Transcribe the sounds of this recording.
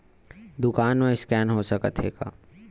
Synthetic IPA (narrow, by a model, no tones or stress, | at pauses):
d̪ʊkaːnmẽɪskɛːnɦosɐkət̪ɦeːɡa̰ː